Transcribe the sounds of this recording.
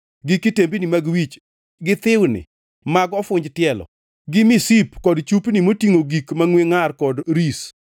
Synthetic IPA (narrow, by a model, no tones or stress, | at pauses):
ɡikːitembinimaɡwit͡ʃ | ɡɪt̪ɪwnɪ̰ | maɡɔfʊɲd͡ʒtɪɛlɔ̰ | ɡɪmisipkɔdt͡ʃupnimotiŋoɡikmaŋweŋarkɔdɾis